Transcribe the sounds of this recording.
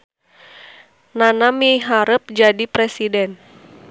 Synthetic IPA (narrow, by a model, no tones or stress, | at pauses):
nanamiɦaɾəp̚d͡ʒadipɾɛsidɛn